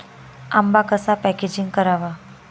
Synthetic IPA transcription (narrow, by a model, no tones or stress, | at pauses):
a̰mbakəsapɛked͡ʒiŋɡkəɾaʋa